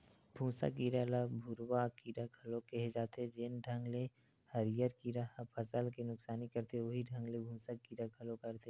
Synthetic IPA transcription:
bʱũːsa̰kiːɾalabʱʊɾwakiːɾaɡʰʱɐlokɛɦed͡ʒaːt̪ed͡ʒɪnɖʱɐ̃ŋɡle | hɐɾɪjəɾkiɾapʰɐsəlkinʊksaːnikɐɾt̪eoɦiɖʱɐ̃ŋɡlebʱũːsakiːɾaɡʱɐlokɐɾt̪e

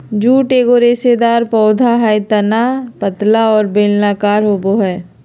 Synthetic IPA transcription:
d͡ʒuːʈeːɡoɾeːsed̪aːɾpɔːd̪ʱaɦajt̪ɐnapət̪laɔːɾbeːlnaːkaːɾɦoːboɦɛː

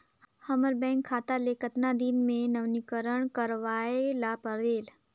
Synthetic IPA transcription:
hɐməɾbɛ̃ːŋkʰːaːt̪alekət̪nad̪inmẽnɐʋnikəɾəɳ̃kəɾʋaːelaːpəɾeːl

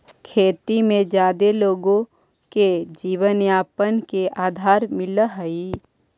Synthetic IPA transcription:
kʰeːt̪imẽd͡ʒjaːd̪eloːɡõ | ked͡ʒiːʋənjaːpənkeʔaːd̪ʱaːɾmɪlɦəi

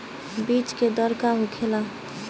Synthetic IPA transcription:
bit͡ʃked̪əɾkaɦukʰela

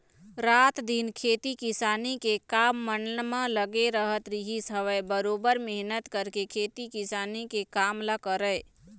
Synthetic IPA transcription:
ɾaːt̪d̪inkʰeːt̪ikɪsaːnikekaːmːənnmə̃ləɡeɾəɦət̪ɾiɦisəʋəjbəɾoːbəɾmɛɦnət̪kəɾkekʰeːt̪ikɪsaːnikekaːmlakəɾəɪ

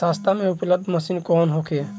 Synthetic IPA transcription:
sast̪ʰameupləbd̪ʱməsinkɔnɦokʰe

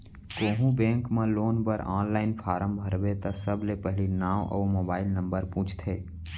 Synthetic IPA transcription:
koːɦũbẽːŋkmẽloːnpəɾãːnlaːɪnpʰaːɾəmbʱəɾbet̪əsəblepɛɦlinaːmʔɔ̰ːmoːbaːɪlnə̃mbəɾpũːt͡ʃʰt̪ʰeː

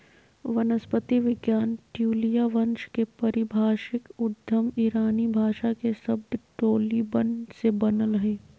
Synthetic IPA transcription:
ʋɐnəspət̪iʋɪɡjaːnʈjuːlijaʋɐ̃nʃkepɐɾɪbʱaːʃɪkʊd̪ʱjəmiɾaːnibʱaːʃakeʃɐbd̪ʈoːlibɐ̃ɳɖsebɐnəlɦɛː

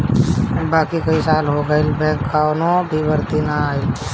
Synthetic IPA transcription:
baːkikɐisaːlɦoɡəilbɛ̃ːkːaːnõbʱibəɾt̪inaaːi

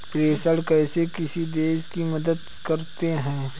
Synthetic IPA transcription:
pɾeːsəɽkɛːsekɪsid̪eːʃkimɐd̪əd̪ | kɐɾt̪eɦɛ̃ː

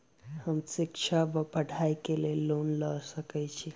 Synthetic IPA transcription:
həmsikt͡ʃʰabəpəɽʱaikelelːonləsəkɛt͡ʃʰi

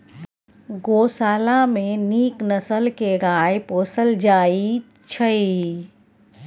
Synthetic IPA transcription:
ɡoːsaːlameniːknəsəlkeɾaːjpoːsəld͡ʒaːi | t͡ʃʰəi

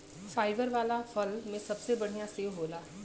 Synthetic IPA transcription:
saːɪbəɾʋaːlafʰəlmẽsɐbsebɐɽ̤ijãseːʋɦoːlaː

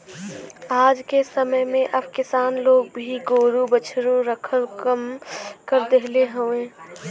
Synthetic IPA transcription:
aːd͡ʒkesəməjmẽʔɐbkɪsaːnloːɡ̚bʱiɡoːɾubət͡ʃʰɾuɾəkʰəlkəmkəɾd̪eɦleɦoẽː

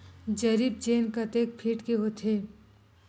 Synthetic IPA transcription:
d͡ʒɐɾib̚d͡ʒeːnkɐt̪eːk̚pʰiːʈkeɦot̪ʰeː

